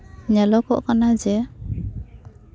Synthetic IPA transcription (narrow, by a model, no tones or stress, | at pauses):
nɛlɔkɔʔkanad͡ʒɛ